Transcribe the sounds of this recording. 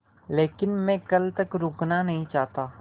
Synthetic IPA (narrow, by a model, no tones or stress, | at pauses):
leːkɪnmɛ̃kɐlt̪ɐkɾʊːknanɐɦĩt͡ʃaːɦt̪aː